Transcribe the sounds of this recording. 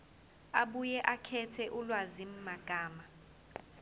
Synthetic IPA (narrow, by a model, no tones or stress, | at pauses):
aɓujɛʔakʰɛtʰɛʔulwazim̩maɡ̥ʱaːma